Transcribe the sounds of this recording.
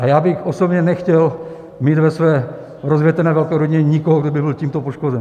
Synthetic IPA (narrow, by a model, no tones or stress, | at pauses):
ʔajaːbɪxʔosobɲɛnɛxcɛl | miːd̪vɛsvɛː | ɾozvjɛt̪ɛnɛːvɛlkɛːɾoɟɪɲɛɲɪkoɦoɡdobɪbɪlciːmt̪opoʃkozɛn